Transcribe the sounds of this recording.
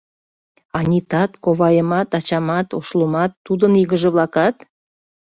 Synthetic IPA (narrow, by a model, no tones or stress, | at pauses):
ɑnʲit̪ɑt̪koβɑjəmɑt̪ɑt͡ɕɑmɑt̪oʃlumɑt̪ːud̪əniɣəʒĕβlɑkɑt̪